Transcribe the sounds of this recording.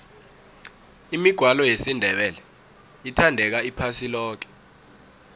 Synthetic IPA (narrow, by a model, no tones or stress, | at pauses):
imiɡ̥ʱwalɔjesindʱɛɓɛlɛ | itʰandʱɛk̬aipʰasilɔːk̬ɛ̥